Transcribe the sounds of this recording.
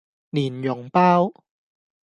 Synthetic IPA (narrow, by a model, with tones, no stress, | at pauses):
ni˨˩njo˨˩˦ŋpaː˥˩˨w